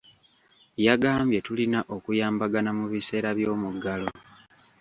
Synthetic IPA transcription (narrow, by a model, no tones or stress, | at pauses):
jaɡaːmbje̞tulinaʔo̞kujaːmbaɡanamuβise̞ːɾaβjo̞ːmuɡalo